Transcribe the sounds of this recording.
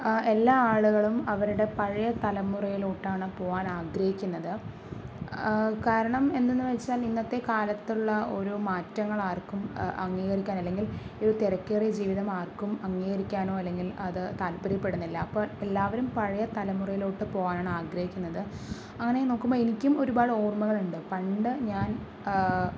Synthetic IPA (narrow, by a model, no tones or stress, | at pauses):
e̞lːaːaːɭuɣɐɭumɐʋɐɾuɽe̞pɐɻɐjɐt̪ɐlɐmːurɐjiluːʈːaːɳɨpo̞ːɣaːnaːɡɾɐhikʲːunːɐðɨ | kaːɾɐɳɐme̞nd̪enːuʋet͡ɕːaːlinːɐt̪ːe̞kaːlɐt̪ːuɭːɐo̞ɾumaːtːɐŋːɐɭaːrkumɐ̰ŋːiːɣɐrikʲːaːnɐlːe̞ŋɡiloɾut̪eɾɐkʲːeːred͡ʑiːʋiðɐmaːrkumɐŋːiːɣɐɾikʲːaːno̞ːɐlːe̞ŋɡilɐðɨt̪aːlpːɐɾipːe̞ɽunːilːɐɐpːoːelːaːʋɐɾumpɐɻɐjɐt̪ɐlɐmurɐjiloːʈːɨpo̞ːɣaːnaːɳɨaːɡɾɐhikʲːunːɐðɨ | ɐŋːɐne̞no̞ːkːumboːenikʲːumo̞ɾubaːɽo̞ːrmɐɣɐɭuɳɖɨpɐɳɖɨɲaːn